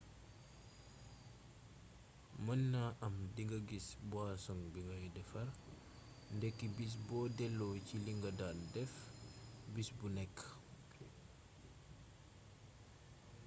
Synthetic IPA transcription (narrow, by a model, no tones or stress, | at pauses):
mənːaʔɐmdiŋɡəɡisbwaːsɔŋbiŋɡɐjudɛfɐr | ndɛkːibis̬bɔːdɛlːɔciliŋɡɐdaldɛf | bisbunɛkː